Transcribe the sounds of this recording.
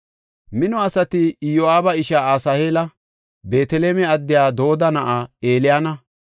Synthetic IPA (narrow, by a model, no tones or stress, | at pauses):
mɪnɔɐsɐt̪ɪjoaːbɐɪʃaːaːsɐheːlɐ | be̞ːt̪ɛleːmɛɐd̪ːɪjaːd̪o̞ːd̪ɐnɐʔaeːlɪjaːnɐ